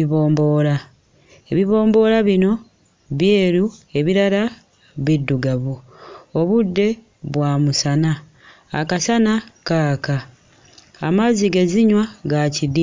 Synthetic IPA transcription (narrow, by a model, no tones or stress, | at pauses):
iβo̞ːmbo̞ːɾa | e̞βiβo̞ːmbo̞ːɾaβino̞ | βje̞ːɾue̞βiɾala | βidːuɡaβuo̞βudːe̞ | βwaːmusana̰ː | kasanakaːkaː | maziɡe̞ziɲwaɡacidi